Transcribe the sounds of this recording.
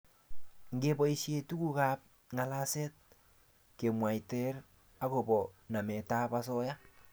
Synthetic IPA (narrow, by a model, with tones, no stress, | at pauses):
ŋ̩ɡebɔ˦iʃje˦tu˦ku˦ka˦p̚ | ŋa˨la˦sɛ˦t̚ | ke˨mwa˨jtɛ˦r | a˦ko˨bɔ˨na˨mɛ˨ta˦pa˦s̬ɔ˦ja˦